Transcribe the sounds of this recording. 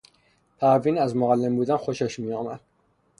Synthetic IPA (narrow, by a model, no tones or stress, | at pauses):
pʰaːvinazmɔʁalːɛmbud̪anχɔʃaʃmiɔma